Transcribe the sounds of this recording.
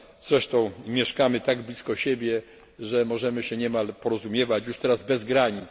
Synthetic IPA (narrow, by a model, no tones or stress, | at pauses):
z̥ɾɛʂt̪ɔ̃w̃mʲjɛʂkamɘt̪aɡblʲiskɔɕebʲjɛ | ʐɛmɔʐɛmɘɕɛɲɛmalpɔɾɔzumʲjɛvat͡ɕjuʂt̪ɛɾazbɛzɡɾaɲit̪s